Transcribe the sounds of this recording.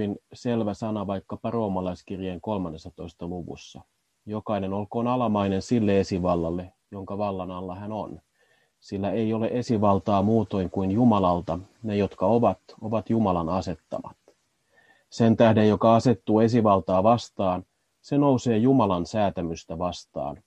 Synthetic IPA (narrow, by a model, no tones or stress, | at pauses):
inse̞lʋæsɑnɑʋɑjkːɑpɑro̞ːmɑlɑjskirjeŋko̞lmɑnːesːɑt̪o̞ist̪ɑluʋṵsːɑ | jo̞kɑine̞no̞lko̞ːnɑlɑmɑine̞nsilːee̞siʋɑlːɑlːe̞ | jo̞ŋkɑʋɑlːɑnɑlːɑhænon | silːæeijo̞le̞ʔe̞siʋɑlt̪ɑːmuːt̪o̞jŋkuinjumɑlɑlt̪ɑ | ne̞jo̞t̪kɑo̞ʋɑt̪o̞ʋɑt̪jumɑlɑnɑse̞t̪ːɑ̰mɑ̰t̪ | se̞nt̪æhde̞jjo̞kɑɑse̞t̪ːuːe̞s̬iʋɑlt̪ɑːʋɑst̪ɑːn | se̞no̞use̞ːjumɑlɑnsæːt̪æmyst̪æʋɑst̪ɑ̰ːn